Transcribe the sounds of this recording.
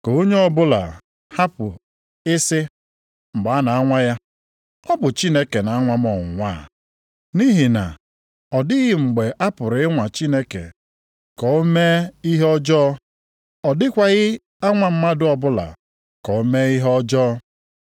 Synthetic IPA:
ko˨o˦ɲe˦ɔ˦bʊ˦la̰˨ | ha˦pʊ˨ | ɪ˦sɪ˦ | ŋ͡m̩˨ɡ͡ba˨a˦na˨a˦ŋʷa˦ja˦ | ɔ˦bʊ˨t͡ʃi˦ne˦ke˨na˨a˦ŋʷa˦m˦ɔ˨ŋ̩˨ŋʷa˦˨ | ni˦ɦi˨na̰˨ | ɔ˨dɪ˦ɣɪ˨ŋ͡m̩˨ɡ͡be˨ʔa˦pʊ˨ɾɪ˨ɪ˦ŋʷa˨t͡ʃi˦ne˦kḛ˨ | kɔ˨o˦me˦i˦ɦe˦ɔ˦d͡ʒɔː˦ | ɔ˨dɪ˦kʷa˦ɣɪ˦ | a˦ŋʷa˨m̩˦ma˦dʊ˦ɔ˨bʊ˦la̰˨ | kɔ˨o˦me˦i˦ɦɔ˦d͡ʒɔː˦

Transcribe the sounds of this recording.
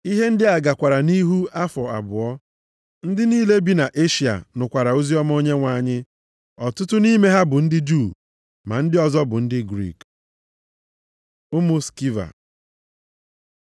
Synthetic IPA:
i˦ɦe˦n̩˦dɪ˦a˨ɡa˨kʷa˨ɾa˨ni˦ɦu˦a˦fɔ˨a̰˨bʊ˨ɔ˦ | n̩˦dɪ˦niː˦le˦bi˦na˨ʔe˦ʃi˨a̰˨nʊ˨kʷa˨ɾa˨o˦zi˦ɔ˦mao˦ɲe˦ŋʷa˨˦˨ɲɪ˦ | ɔ˨tʊ˦tʊ˦ni˦me˦ɦa˦bʊ˨n̩˦dɪ˦d͡ʒu˦˨ | ma̰˨n̩˦dɪ˦ɔ˨zɔ˦bʊ˨n̩˦dɪ˦ɡɾḭ˦˨k | ʊ˦mʊ˦ski˦va̰˨

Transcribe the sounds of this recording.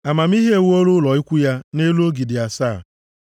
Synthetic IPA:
a˨ma˨m̩˦i˦ɦi˦e˦˨wo˦ɾʊ˦lɔ˨i˦kʷu˦ja˦ne˦lu˦o˦ɡi˨dɪ˨a˨saː˦˨

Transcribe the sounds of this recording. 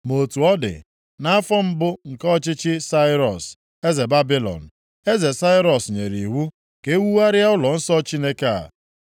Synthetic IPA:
mo˨tu˨ɔ˦dɪ̰˨ | na˦a˦fɔ˦m̩˦bʊ˦ŋ̩˨kɔ˦t͡ʃɪ˦t͡ʃɪ˦sa˦ɪ˦ɾɔ˨s | e˦ze˨ba˦bi˦lɔ̰˨n̩˨ | e˦ze˨sa˦ɪ˦ɾɔ˨sɲe˨ɾi˨ɦu˦ | ke˦wu˦wa˦ɾɪ˦a˦ʊ˦lɔ˨n̩˦sɔ˦t͡ʃi˦ne˦ka˦a̰˨

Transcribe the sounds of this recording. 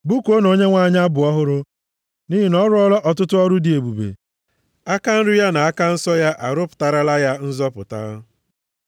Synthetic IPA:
bu˦ko˦no˨ɲe˦ŋʷaː˦˨˦ɲa˦bʊ˨ɔ˦ɦʊ˦ɾʊ˦ | ni˦ɦi˦nɔ˦ɾʊ˦ɔ˦lɔ˦ʔɔ˨tʊ˦tʊ˦ɔ˦ɾʊ˦dɪ˨e˨bu˨bḛ˨ | a˦ka˦n̩˦ɾʊ˦ja˦na˨a˦ka˦n̩˦sɔ˦ja˦ʔa˨ɾʊ˦pʊ̥˨ta˨ɾa˦la˦ja˦n̩˦zɔ˦pʊ̰˨ta̰˦

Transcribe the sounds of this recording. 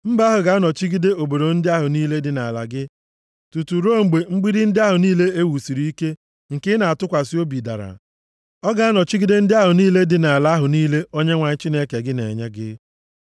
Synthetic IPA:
m̩˦ba˦ɦʊ˨ɡa˨˦nɔ˨t͡ʃi˦ɡi˦de˦o˨bo˨ɾo˨n̩˦dɪ˦a˦ɦʊ˨niː˦le˦dɪ˨na̰˨la̰˨ɡɪ˦ | tu˨tu˨ɾo˦ŋ͡m̩˨ɡ͡be˨ŋ͡m̩˦ɡ͡bi˦ɾɪ˦n̩˦dɪ˦a˦ɦʊ˨niː˦le˦e˦wu˨si˨ɾi˦i˦ke˦ | ŋ̩˨kɪ˦na˨a˨tʊ˦kʷa˨sɪ˦o˦bi˨da̰˨ɾa̰˨ | ɔ˦ɡa˨a˦nɔ˨t͡ʃi˦ɡi˦de˦n̩˦dɪ˦a˦ɦʊ˨niː˦le˦dɪ˨na˨a˨la˦ɦʊ˨niː˦le˦o˦ɲe˦ŋʷa˨ɲɪ˦t͡ʃi˦ne˦ke˨ɡɪ˦nḛ˨ɲe˦ɡɪ̰˦

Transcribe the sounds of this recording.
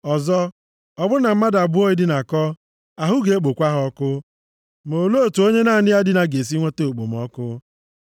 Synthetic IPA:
ɔ˨zɔ˦ | ɔ˨bʊ˦na˨m̩˦ma˦da˨bʊ˦o˦i˦dɪ˦na˨kɔ˦ | a˨ɦʊ˦ɡe˨e˦k͡po˨kʷa˦ɦɔ˦kʊ˦ | mo˨lo˦o˨tu˨o˦ɲe˦na˦˨nɪ˦a˦dɪ˦na˨ɡe˨s̬i˦ŋʷe˦te˦o˨k͡po̰˨m̩˨ɔ˦kʊ˦

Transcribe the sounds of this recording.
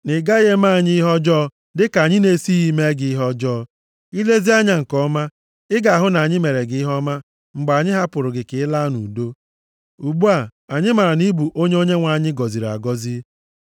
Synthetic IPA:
nɪ˨ɡa˦ɣe˦ma˦a˨ɲɪ˦i˦ɦɔ˦d͡ʒɔː˦ | dɪ˦ka˨ɲɪ˦ne˨˦si˦i˦me˦ɡɪ˨i˦ɦɔ˦d͡ʒɔː˦˨ | i˦le˦zi˦a˦ɲa˦ŋ̩˨kɔ˦ma˦ | ɪ˦ɡa˨a˨ɦʊ˦na˨ɲɪ˦me˨ɾe˨ɡɪ˨˦ɪ˦ɦɔ˦ma˦ | ŋ͡m̩˨ɡ͡ba˨ɲɪ˦ɦa˦pʊ˨ɾʊ˨ɡɪ˨kɪ˨ɪ˦la˦nṵ˨do˦ | u˨ɡ͡bu˦a˨a˨ɲɪ˦ma˨ɾa˨ni˦bu˨ʔo˦ɲe˦o˦ɲe˦ŋʷa˨ɲɪ˦ɡɔ˨zi˨ɾa̰˨ɡɔ˦zi˦

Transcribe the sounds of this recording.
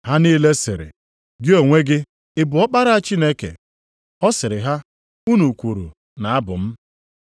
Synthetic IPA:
ɦa˦niː˦le˦sɪ̰˨ɾɪ̰˨ | ɡɪ˦o˨ŋʷe˦ɡɪ˦ | ɪ˦bʊ˨ɔ˦k͡pa˦ɾa˦a˦t͡ʃi˦ne˦kḛ˨ | ɔ˦sɪ˨ɾɪ˨ɦa˦ | u˦nu˨kʷu˨ɾu˨ | na˨a˦bʊ˨m̩˦

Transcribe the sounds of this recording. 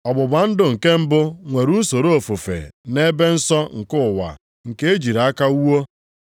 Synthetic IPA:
ɔ˨bʊ˨ba˨n̩˦dʊ˦ŋ̩˨ke˦m̩˦bʊ˦ŋʷe˨ɾu˦so˨ɾo˦o˨fu˨fḛ˨ne˦be˦n̩˦sɔ˦ŋ̩˨kʊ˦˨wa̰˨ | ŋ̩˨ke˦e˦d͡ʒi˨ɾa˨˦a˦ka˦u˦wo˦

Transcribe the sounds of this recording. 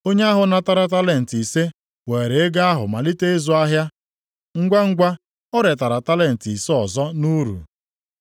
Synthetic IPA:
o˦ɲe˦a˦ɦʊ˨na˦ta˨ɾa˨t̬a˦le˨n̩˨ti˨se˦ | we˨ɾe˨e˦ɡa˦a˦ɦʊ̰˨ma˨li˦te˦e˦zʊ˨a˦ɦja˦ | ŋ̩˦ɡʷa˦ŋ̩˦ɡʷa˦ | ɔ˦ɾe˨t̬a˨ɾa˨ta˦le˦˨n̩˨ti˨se˦ɔ˨zɔ˦nu˦ɾṵ˨

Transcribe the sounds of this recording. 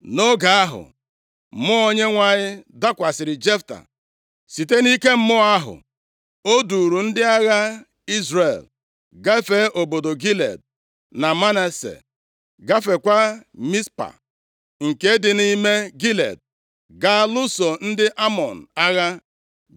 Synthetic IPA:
no˦ɡa˨a˦ɦʊ̰˨ | mʊ˦o˦ɲe˦ŋʷa˨ɲɪ˦da˦kʷa˨sɪ˨ɾɪ˨d͡ʒe˦fta̰˨ | si˨te˦ni˦ke˦m̩˦mʊ˦a˦ɦʊ̰˨ | o˦du˨ɾu˨n̩˦dɪ˦a˦ɣa˦ | i˦zre˨l | ɡa˦fe˦ʔo˨bo˨do˨ɡi˦lḛ˨d̚ | na˨ma˦ne˨sḛ˨ | ɡa˦fe˨kʷa˦mi˦spa̰˨ | ŋ̩˨ke˦dɪ˨ni˦me˦ɡi˦lḛ˨d̚ | ɡa˦lu˦so˨n̩˦dɪ˦ʔa˦mɔ˨n̩˨a˦ɣa˦

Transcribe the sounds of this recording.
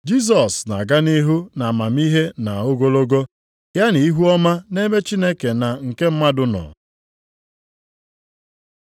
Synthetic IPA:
d͡ʒi˦s̬ɔ˨sna̰˨ɡa˦ni˦ɦu˦na˨ma˨m˦i˦ɦe˦na˨o˦ɡo˦lo˦ɡo˦ | ja˦ni˨i˦ɦu˦ɔ˦ma˦ne˦me˦t͡ʃi˦ne˦ke˨na˨ŋ̩˨ke˦m̩˦ma˦dʊ˦nɔ̰˨

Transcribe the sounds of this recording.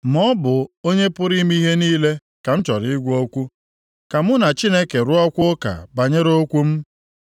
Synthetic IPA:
mɔ˦bʊ˨o˦ɲe˦pʊ˦ɾi˦m˦i˦ɦe˦niː˦le˦ | ka˨n̩˦t͡ʃɔ˨ɾɪ˦ɡʷo˦kʷu˦ | ka˨mʊ˦na˨t͡ʃi˦ne˦ke˨ɾʊ˦ɔ˦kʷʊ˦ka̰˨ba˨ɲe˦ɾo˦kʷu˦m̩˦

